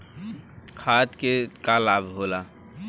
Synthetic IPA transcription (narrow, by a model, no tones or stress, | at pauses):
kʰat̪kekalabʱɦola